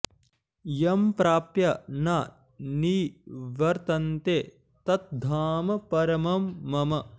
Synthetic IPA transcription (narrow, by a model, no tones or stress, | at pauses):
jɐmpɾaːpjɐnaː | niːʋɐɾt̪ɐnt̪eː | t̪ɐt̪̚d̪ʱaːmɐpɐɾɐmɐmːɐmɐ